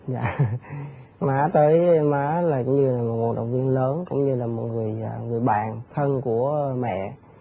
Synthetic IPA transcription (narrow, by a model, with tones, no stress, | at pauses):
za̰ː˧˨˩ | maː˨˦t̪əː˨˦jmaː˨˦laː˨˩kʊ˧˦ŋ͡mɲɨ˧laː˨˩mo˨˩t̚m˨˩t̚ɗə̰˨˩wŋ͡m̚vi˧ənləː˨˦nkʊ̰˧˥ŋ͡mɲɨ˧laː˨˩mo˨˩t̚ŋɨ˨˩əja˨˩ŋɨ˨˩əjɓaː˨˩nt̪ʰə˧nku˧˩əmɛ̰˧˨